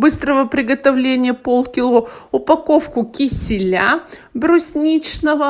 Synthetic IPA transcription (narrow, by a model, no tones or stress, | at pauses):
bɨst̪ɾəvəpɾʲɪɡət̪ɐvlʲenʲɪjəpolˠkʲɪlˠoʊpɐko̞fkʊkʲɪsʲɪlʲabɾʊsʲnʲit͡ɕnəvə